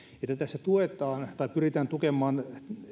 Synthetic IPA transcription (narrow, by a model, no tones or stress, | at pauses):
et̪ːæt̪æsːæt̪uet̪ˑɑːnt̪ɑipyrit̪æːnt̪ukemːˑɑːn